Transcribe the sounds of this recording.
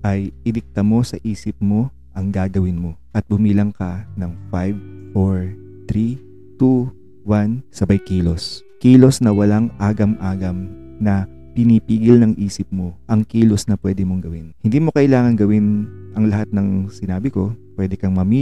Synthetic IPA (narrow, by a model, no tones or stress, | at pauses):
ʔɐjʔɪlɪk̚t̪ɐmo̞sɐʔiːsɪp̚mo̞ | ʔɐŋɡaːɡɐwɪnmo̞ʔɐt̪̚bʊmiːlɐŋkɐnɐŋfajvfoɹ | t̪ɾi | t̪u | wansɐbɐjkiːlo̞s | kiːlo̞snɐwɐlaŋʔaːɡɐmʔaːɡɐm | nɐ | pɪnipiːɡɪlnɐŋʔiːsɪp̚mo̞ʔɐŋkiːlo̞snɐpwɛːd̪ɪmoŋɡɐwɪnhɪnd̪iːmo̞kɐʔɪlaːŋɐnɡɐwɪnʔɐŋlɐhat̪̚nɐŋsɪnaːbɪko̞pwɛːd̪ɛkɐŋmɐmiː